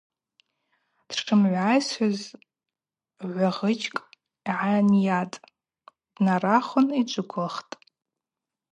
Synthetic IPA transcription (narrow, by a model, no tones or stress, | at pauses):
d̥ʈ͡ʂʰɨmʕʷajsħaz | ʕʷaʁət͡ʃʰʼkʼ | ʕanjatʼ | d̥naraχʊnid͡ʒʷʼɨkʷʰʊχtʼ